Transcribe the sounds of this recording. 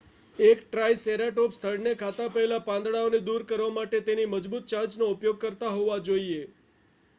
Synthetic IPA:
ekʈɾajseɾaʈopst̪ʰəɽnekʰat̪apəɦelapãnd̪ɽaoned̪uɾkəɾʋamaʈet̪eniməd͡ʒbut̪̚t͡ʃãd͡ʒnoʊpjoɡ̚kəɾt̪aɦoʋad͡ʒoie

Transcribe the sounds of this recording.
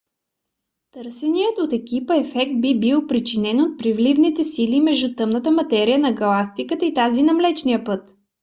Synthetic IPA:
t̪ɤɾsɛnijət̪ot̪ɛkipəɛfɛk̚t̪̚bibilˠpɾit͡ʃinɛnot̪̚pɾivlivnit̪ɛsilimɛʒd̪ut̪ɤmnət̪əmɐt̪ɛɾijənɐɡɐlˠak̚t̪ikət̪əit̪azinɐmlɛt͡ʃnijəpɤt̪

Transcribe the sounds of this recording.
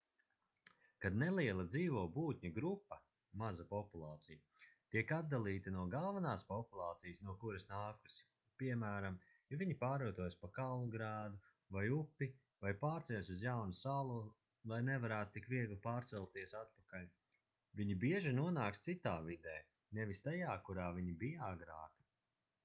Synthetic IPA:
kad̪nelˠiɛlˠɐd̪ziːvɔːbuːt̪ʲɲaɡɾupːɐ | mazapɔpulˠɑːt̪sijɐt̪iɛkad̪̚d̪alˠiːt̪ɐnuɔɡalˠvanaːspɔpulˠɑːt̪sijəsnuɔkuɾɐsnaːku̥si̥ | piɛmæːɾam | javiɲipaːɾuːt̪uɔjspakalˠnuɡɾaːd̪u | vajupːi | vajpaːɾt̪sɛɛsʲuzjawnusalˠu | lˠajnevaɾæːt̪ut̪ikviɛɡlˠipaːɾt̪sɛlˠt̪iɛsat̪̚pakalʲ | viɲibiɛʒinuɔnaːkst̪sit̪aːvid̪ɛː | nɛvist̪ajaːkuɾaːviɲibijaɡɾa̰ːki̥

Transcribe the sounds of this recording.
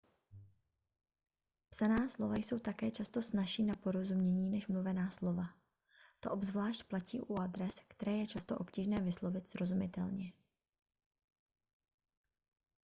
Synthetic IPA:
psanaːslo̞vajso̞wt̪akɛːt͡ʃast̪o̞snaʃiːnapo̞ɾo̞zumɲɛɲiːnɛʃmluvɛnaːslo̞va | t̪o̞̰ʔo̞bzvlaːʃt̪placiːʔuad̪ɾɛskt̪ɛɾɛːjɛt͡ʃast̪o̞ʔo̞pciːʒnɛːvɪslo̞vɪt̪sɾo̞zumɪt̪ɛlɲɛ

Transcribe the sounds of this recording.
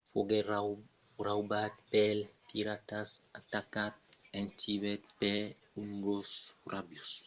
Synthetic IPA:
foɡeɾa | rawbat̪̚pɛlpiɾat̪asat̪akat̪̚ẽnt̪iβɛt̪̚pe | uŋɡosrabjus

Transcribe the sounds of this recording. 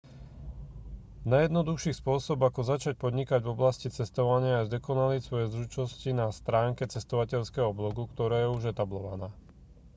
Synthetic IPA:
najɛd̪nɔd̪uxʃiːspʊɔsɔbakɔzat͡ʃac̚pɔd̪ɲikaɟvɔblascit͡sɛst̪ɔʋaɲɪaːʒd̪ɛkɔnalisʋɔjɛzɾut͡ʃnɔscinast̪ɾaːŋkɛt͡sɛst̪ɔʋacɛʎskɛɦɔblɔɡukt̪ɔɾaːjɛuʒɛt̪ablɔʋa̰naː

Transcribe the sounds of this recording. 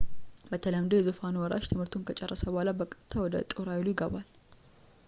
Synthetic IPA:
bət̪ʰələmd̪ojɛzofanwɔɾaʃt̪ʰɨmhɨɾt̪ʰunkʰət͡ʃʼɛrːəsəbɔhalabəkʼət̪ʰːawɔd̪ə̰t̪ʼoɾawɪlujɪɡəbal

